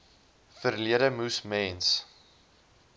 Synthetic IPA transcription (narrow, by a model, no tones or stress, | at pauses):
fərliədəmusmɛːns